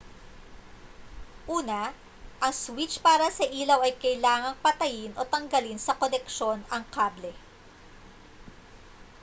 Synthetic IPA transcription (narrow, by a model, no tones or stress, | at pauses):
ʔuːnɐ | ʔɐŋswit͡ʃpaːɾɐsɐʔiːlɐwɐjkɐjlaːŋɐŋpɐt̪ɐjɪnʔo̞t̪ɐŋɡɐlinsɐkolɛkʃo̞nɐŋkaːblɛ